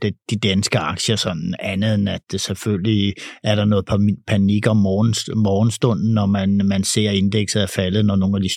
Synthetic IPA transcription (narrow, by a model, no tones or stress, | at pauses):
d̥d̥id̥ænsɡ̥əɑ̈ɡ̥ɕəɒsɒ̽n̰n̩ænð̩ˠenæd̥selføliæɐɾ̥ɑ̈nɔ̽ːð̩ˠpʰpʰæniɡ̥ɐɒmɒːnmɒːn̩sd̥ɔ̽n̰n̩ːɒmænmænse̝̰ɐ̰e̝nd̥eɡ̥sð̩ˠæɐfælð̩ˠnɒno̝ːn̩æd̥is